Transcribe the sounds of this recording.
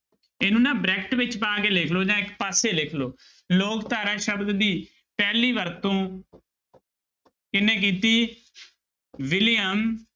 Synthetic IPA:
eːnũːnãːbɾɛːkʈʋɪt͡ʃpãːkeːlɪkʰloːd͡ʒãːɪkpaːseːlɪkʰloː | loːkt̪aːɾãːʃəbd̪d̪iː | pɛːliːʋəɾt̪õː | kɪnẽːk̬iːt̪iː | ʋɪlɪjəm

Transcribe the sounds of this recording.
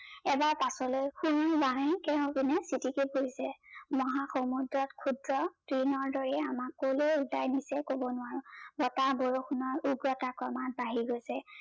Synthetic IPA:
ɛbaɹpasɔlojxunajbaɹãjkɛʊ̃binɛsitikepoisɛmɔɦaxomudɹɔtkʰudɹɔtɹinɔɹdɔɹɛamakːoleulajnisɛkobɔnʊwaɹʊ̃bɔtaboɹoxunɔɹuɡɹɔtakɔmat̚baɦiɡojsɛ

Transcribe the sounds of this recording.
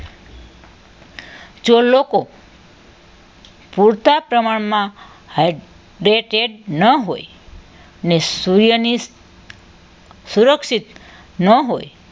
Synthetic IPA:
d͡ʒoloko | puɾt̪apɾəmaɳmã | haj | ɾeʈeɖnəɦo̰j | nesuɾjəni | suɾəkʃit̪ | nəɦoj

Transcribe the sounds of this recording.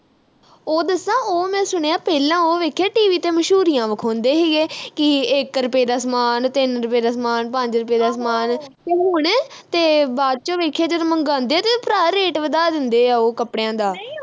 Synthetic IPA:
oːd̪əsãːoːmɛ̃ːsʊɽ̃eːaːpɛːlãːoːʋeːkʰjaːʈiːʋiːt̪eːməʃɦuːɾijãːʋəkʰõːnd̪eːɦɛːɡeːkɪɪkɾəpeːd̪aːsmaːnt̪ɪnɾəpeːd̪aːsmaːnpəɲd͡ʒɾəpeːd̪aːsmaːn | eɦoːɽeː | t̪eːbaːd̪̚t͡ʃõːʋeːkʰjaːd͡ʒəd̪məŋɡãːnd̪eːaːt̪eːpɾaːɾeːʈʋəd̪aːd̪ɪnd̪eːaːoːkəpɽejãːd̪aː

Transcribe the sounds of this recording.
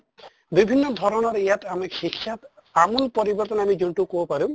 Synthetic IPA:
bibʱinːɔd̪ʱɔɾɔnɔɾejatamixikʰːjat̪ | amunpɔɾibɔɾt̪ɔnamizunʈukobɔpaɾũ

